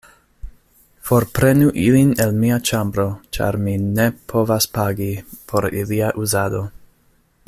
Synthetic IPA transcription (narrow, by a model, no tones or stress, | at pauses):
fo̞ɾpɾenuʔilinelmiat͡ʃambɾo̞t͡ʃa̰ɾminepʰo̞vaspaɡipʰo̞ɾiliaʔuzado̞